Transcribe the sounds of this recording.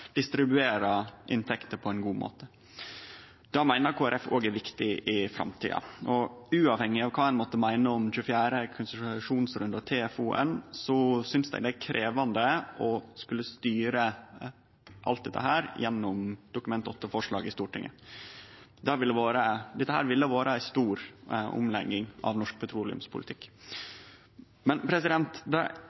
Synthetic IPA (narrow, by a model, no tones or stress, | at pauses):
d̪̥ɪst̪ɾɪbʉeːɾɑʔɪ̰nt̪ʰɛkt̪əɾpʰɔɛɪnɡuːmo̰ːt̪ə | d̪̥ɑmæɪnəɾkʰoːæɾʔɛfoːɡæɾʋɪkt̪ɪʔɪfɾɑ̰mt̪ʰḭːɑ̰ʔɔʉːɑʋhɛŋːɪɑʋkʰɑːɛnmɔt̪ːəmæɪnəɔmçʉːəfjæːɾəkʰʊnsʂuːnsɾʉnd̪ɑt̪ʰeːɛfuːʔɛ̰nsɔsʏnsd̪æ̰ɪd̪ɛækʰɾʔeːʋɑnd̪əʔɔskʉlːəst̪yːɾə | ʔɑ̰lt̪̚d̪ɛt̪ːə̰hæːɾjɛnːɔmd̪̥ʊkʉmɛnt̪ɔt̪ːəfɔʂɭɑ̰ːɡɪst̪uːʈɪ̰ŋʔə̰ | d̪ɑʋɪlːəʋoːɾəd̪ɛt̪ːəhæːɾʋɪlːəʋoːɾəæɪst̪uːɾʊ̰mlɛ̰ɡɪŋɑ̰ʋnɔʂk̚pʰɛt̪ʰɾuːlɪʉ̰mspʰʊlɪt̪ʰɪkː | mɛnpʰɾɛsɪd̪ɛnt̪d̪ɛ̰